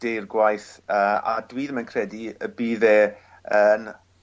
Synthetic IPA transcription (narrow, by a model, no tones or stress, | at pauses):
d̥ejrɡwajθəːa̰dwiːðəmənkʰrɛdiəbiːðɛː | ən